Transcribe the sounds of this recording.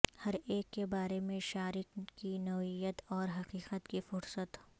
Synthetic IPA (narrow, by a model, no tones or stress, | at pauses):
hɐɾeːkːebaːɾemẽʃaːɾɪkkinɐwijət̪ɔːɾɦɐqiːqət̪kifʊɾsət̪